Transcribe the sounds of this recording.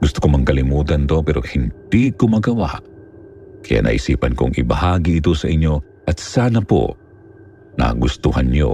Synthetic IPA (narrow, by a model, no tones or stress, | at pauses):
ɡ̥ʊst̪okomɐŋkɐlɪmuːt̪ɐnt̪opɛːɾʔo̞hɪnd̪̥ikomɐɡɐwa̰ʔ | kɐja̰ʔnʔɐ̰ʔɪsiːpɐnkoʔɐŋʔɪbɐhaːɡiʔɪt̪osɐʔɪɲːo̞ | ʔɐt̪̚saːnɐpo̰ | na̰ɡʊst̪uhɐnɲo̰